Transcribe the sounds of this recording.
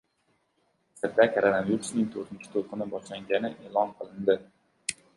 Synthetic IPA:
sɪɾd̪akʰʲaɾanamjuɾsnɪŋt̪ʰoɾt̪ɪnt͡ʃʰɪ̥t̪ʰolˠqɨnɪbɒʃlaŋɡʲanɪʔeːlˠɒnqʰɨlˠɪnd̪ɪ

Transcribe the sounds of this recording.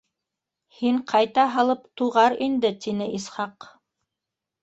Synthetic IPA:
hiɴqʰɑjt̪ɑɦɑlˠɤpt̪uʁɑɾind̪ɘt̪inɘʔisχɑq

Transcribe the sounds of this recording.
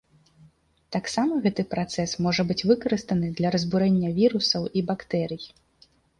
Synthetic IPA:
t̪aksamɐɣɛt̪ɨpɾat̪sɛsmɔʐɐbɨt͡sʲvɨkɐɾɨst̪ɐnɨd̪lʲɐɾɐzbuɾɛnʲːɐvʲiɾusɐwibakt̪ɛɾɨji

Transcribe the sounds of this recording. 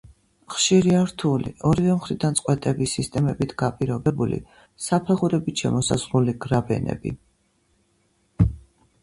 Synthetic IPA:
χʃiɾiaɾt̪ʰulḭʔɔɾivɛmχɾid̪ant̪sʼqʼwɛt̪ʼɛbisist̪ʼɛmɛbit̪ʰɡ̥apʼiɾɔbɛbulḭ | sapʰɛʁuɾɛbit̪ʃɛ̰mɔsa̰zɾuliɡɾabɛ̰nɛ̰bḭ

